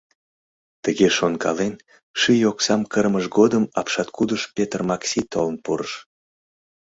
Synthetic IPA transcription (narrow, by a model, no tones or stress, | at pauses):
t̪əɣeʃonkɑ̰len | ʃijoksɑmkərməʃɡod̪əmɑpʃɑt̪kud̪əʃpʲet̪ərmɑksit̪olənpuɾəʃ